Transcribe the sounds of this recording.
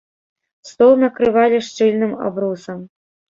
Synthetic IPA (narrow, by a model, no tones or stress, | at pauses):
st̪ɔlˠnɐkɾɨvalʲiʂt͡ʂɨlʲnɨma̰bɾusɐm